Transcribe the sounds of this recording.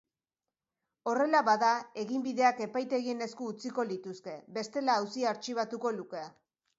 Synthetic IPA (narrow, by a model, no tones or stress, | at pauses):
o̞re̞laβaðae̞ɣimbiðe̞ake̞pajt̪e̞ɣiene̞skuːt͡siko̞lit̪uske̞βe̞st̪e̞laːwsiaɾt͡ʃiβ̞at̪uko̞luke̞a